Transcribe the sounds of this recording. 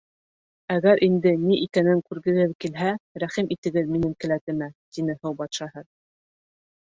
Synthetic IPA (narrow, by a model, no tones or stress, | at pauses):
æɣæɾʔind̪ɘniʔikænɘŋkʉɾɡɘ̆ɡɘðkilɦæɾæχimʔit̪ɘ̆ɡɘðminɘŋkɘ̆læt̪ɘ̆mæt̪inɘhɤwbɑt̪ʃɑhɤð